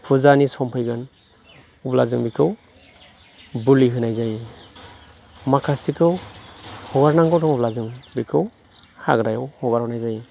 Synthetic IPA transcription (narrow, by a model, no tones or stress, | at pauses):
pʰuzanisɔmpʰɯjɡɯn | ublazɯŋbikʰɯw | buliɦɯnajzaj | makʰasikʰɯw | hɔɡaɾnaŋkawdɔŋublazɯŋbikʰɯw | haɡɾajawhɔɡaɾhɔnajzaj